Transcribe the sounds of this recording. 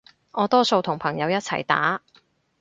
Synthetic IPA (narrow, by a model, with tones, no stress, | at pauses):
ŋɔː˨˧t̪ɔː˥so˧wt̪ʰʊ˨˩ŋpʰɐ˨˩ŋjɐ˨˧wjɐ˥t̚t͡sʰɐ̰˨˩jt̪a̰ː˨˥